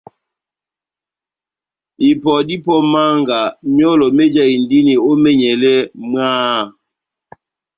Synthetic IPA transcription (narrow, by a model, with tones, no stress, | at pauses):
i˨pɔ˨di˦pɔ˦ma˦ŋɡa˨mjɔ˦lɔ˨mɛ˦d͡ʒa˦i˨ndi˦ni˨o˦mɛ˦ɲɛ˨lɛ˦mwaː˦